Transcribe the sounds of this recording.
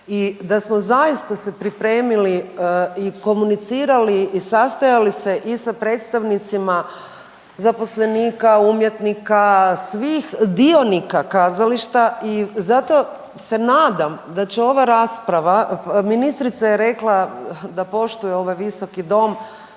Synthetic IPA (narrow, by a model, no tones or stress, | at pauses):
id̪asmo̞zajist̪ase̞pɾipɾe̞ːmiliiko̞munit̪siːɾaliːsast̪ajalise̞ʔisapɾe̞ːt̪st̪aʋnit̪sima | zapo̞sle̞niːkaumje̞t̪nikasʋixd̪io̞nikakaːzaliʃt̪aizat̪o̞ | se̞naːd̪amd̪at͡ɕeo̞ʋaɾaspɾaʋaminist̪ɾit̪sajeɾe̞klˠad̪apo̞ʃt̪ujeo̞ʋajʋiso̞kid̪o̞m